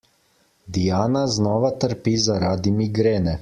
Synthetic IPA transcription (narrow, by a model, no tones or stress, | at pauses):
d̪ijaːnaznɔːʋat̪əɾpizaɾaːd̪imiɡɾeːnɛ